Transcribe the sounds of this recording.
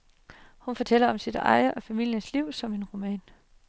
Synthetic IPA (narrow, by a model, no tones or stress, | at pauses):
hunfɒ̽t͡sʰel̰ɐɒ̽msid̥ɑ̈ɪɐʔɒ̽fæmil̰jənsliʊ̰sɒ̽me̝nʁo̝mɛ̰ːn